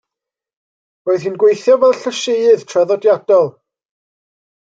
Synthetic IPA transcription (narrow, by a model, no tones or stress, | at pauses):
oːɨðhiːnɡwejθjɔvɛlˠɬəʃejɨð̥tʰrɛðɔdjad̥ɔlˠ